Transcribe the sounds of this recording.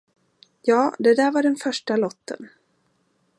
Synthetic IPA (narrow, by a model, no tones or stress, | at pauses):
jɑːd̪ɛd̪æːɾvaɖɛnfœʂʈalɔt̪ʰːə̰n